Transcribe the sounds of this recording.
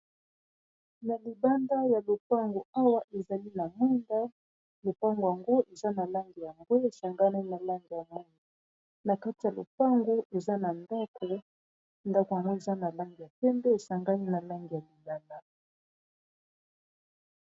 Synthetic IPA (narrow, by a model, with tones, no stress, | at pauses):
na˨li˨ba˦nda˦ja˨lo˨pa˦ŋɡo˨a˦wa˦ʔe˨za˨li˦na˨mu˦nda˦ | lo˨pa˦ŋɡo˨ja˨ŋɡo˦ʔe˨za˦na˨la˦ŋɡi˨ja˨ŋɡo˦e˨sa˨ŋɡa˦ni˦na˨la˦ŋɡi˨ja˨mu˦nu˨ | na˨ka˦ti˨ja˨lo̰˨pa˦ŋɡo˦ʔe˨za˦na˨nda˦kʰo˨ | nda˦ko˨ja˨ŋɡo˦e˨za˦na˨la˦ŋɡi˨ja˨pɛ˦mbɛ˦e˨sa˨ŋɡa˦ni˦na˨la˦ŋɡi˨ja˨li˨ba˦na˦